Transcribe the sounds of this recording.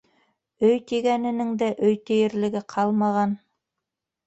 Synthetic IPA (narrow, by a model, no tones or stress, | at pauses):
ɵjt̪iɡænɘ̆nɘŋd̪æʔɵjt̪ɘ̆jɘ̆ɾlɘ̆ɡɘqʰɑlˠmɑʁɑn